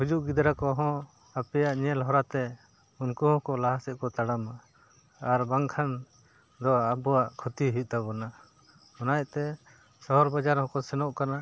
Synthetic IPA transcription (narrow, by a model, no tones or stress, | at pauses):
hud͡ʒuʔɡid̪ɾakɔɦɔ̃ | apɛjaʔɲɛlɦɔɾat̪ɛ | unkuɦɔ̃kɔlaɦasɛʔ̚ˀkɔt̪aɽamaː | ɾbaŋkʰan | d̪ɔabɔwaʔkʰɔt̪iɦit̪̚ˀt̪abɔna | ɔnajt̪ɛ | sɔɦɔɾbad͡ʒaɾhɔ̃kɔsɛnɔʔkana